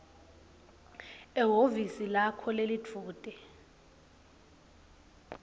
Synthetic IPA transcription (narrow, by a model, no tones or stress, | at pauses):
ɛɦovisilakʰɔlelid͡vʰʱuːtʼɛ